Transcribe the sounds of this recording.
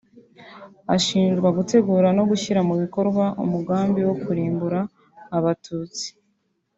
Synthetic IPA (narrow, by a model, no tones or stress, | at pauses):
aʃiːnʒɡwaɡute̞ɡuːɾano̞ɡuçiɾamuβiko̞ɾɡwaʔṵmuɡaːmbiwo̞kuɾiːmbuɾaː | βatʰuːt͡si̥